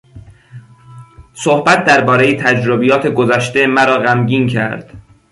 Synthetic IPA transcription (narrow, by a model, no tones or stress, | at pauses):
sohbæt̪̚d̪æɾbɒːɾe̞jet̪ʰæd͡ʒɾobijɒːt̪ʰeɡozæʃt̪e̞mæɾɒːɣæmɟiːncʰæ̰ɾd̪̥